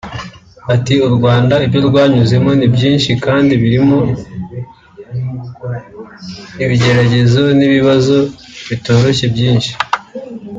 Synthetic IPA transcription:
atiuɾɡwaːndaibjo̞ɾɡwaːɲuze̞mo̞nibɟiːnʃikaːndiβiɾimo̞ | iβiɟe̞ɾaɟe̞zo̞niβiβazo̞βito̞ːɾo̞çebjiːnʃi̥

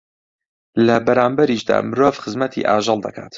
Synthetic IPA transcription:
lɐbɐɾaːmbɐɾiːʃd̪a̰ːmɨɾoːvxɨzmɐt̪ʰḭʔaːʒɨlˠd̪ɐkʰa̰ːt̪

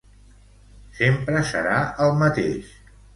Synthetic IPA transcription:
sempɾəsə̰ɾaəlˠmət̪eʃ

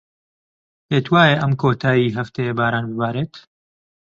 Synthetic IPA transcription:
heːt̪ʰwaːjeʔɐmkʰoːt̪ʰaːjiɦɐft̪ʰɐjebaːɾaːnbɨbaːɾeːt̪

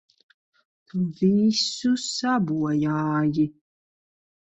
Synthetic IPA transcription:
t̪ʰuviːsusabuɔjaːji

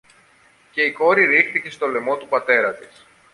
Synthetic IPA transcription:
ce̞iko̞ɾiɾixθice̞st̪o̞le̞mo̞t̪upɐt̪e̞ɾɐt̪is

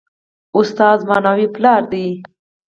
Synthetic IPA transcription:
ʊst̪ɑzmɑnɑwiplɑɾd̪i

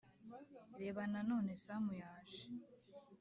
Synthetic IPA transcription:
ɾe̞ːβanano̞ːne̞samujaːʃi̥

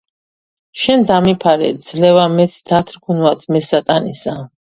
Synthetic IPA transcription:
ʃɛnd̪amipʰaɾɛ̰d̪z̥lɛvamɛt̪sʰd̪ʰat̪ʰɾɡʰunwat̪ʰmɛsat̪ʼanisa

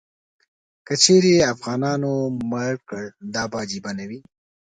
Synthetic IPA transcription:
kət͡ʃeɾjeafɣɑnɑnomaɽkəɽd̪ɑbɑd͡ʒibanawi

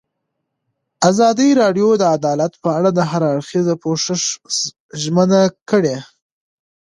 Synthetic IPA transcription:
azɑd̪iɾɑɖjod̪əad̪ɑlat̪pəaɽad̪əɦaɾaɽxizapoʂɪʂ | ʒmənakəɽe

